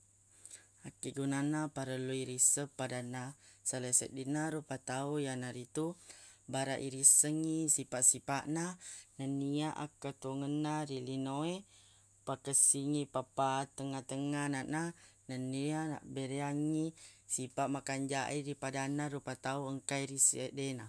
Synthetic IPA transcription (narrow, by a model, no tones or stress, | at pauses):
akiʔɡunanapaɾəluiɾisəpːadanasələsə̰t̪̚dinaɾupat̪aujanaɾit̪ubaɾaʔiɾisəŋisipaʔsipaʔnanəniaʔa̰kət̪uŋənːaɾilinoe | pakəsiŋipapat̪əŋat̪əŋanananənːiana̰ʔbəɾeaŋisipaʔmakaɲd͡ʒaʔiɾipadanaɾupat̪auəŋkaiɾisədena